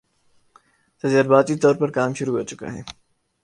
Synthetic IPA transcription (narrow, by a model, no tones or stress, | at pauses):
t̪ɐziːɾbaːd̪̚kit̪ɔːɾpɐɾkaːmʃʊɾuɦoːt͡ʃʊka̰ɦɛː